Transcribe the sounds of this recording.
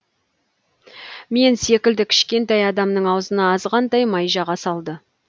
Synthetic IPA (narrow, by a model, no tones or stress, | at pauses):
me̞nse̞kʲɪld̪ɪkʲʰɪ̥ʃkʲe̞nt̪ɑjɑd̪ɑmnəɴɑwzənɑːzʁɑnd̪ɑjmɑjʒɑʁɑsɑlˠd̪ə